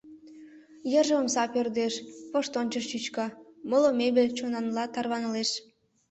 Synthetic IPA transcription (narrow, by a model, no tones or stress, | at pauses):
jəʒəomsɑpørd̪eʃpoʃt̪ont͡ɕəʃt͡ɕyt͡ɕkɑmolomeβet͡ɕonɑnlɑt̪ɑrβɑnəleʃ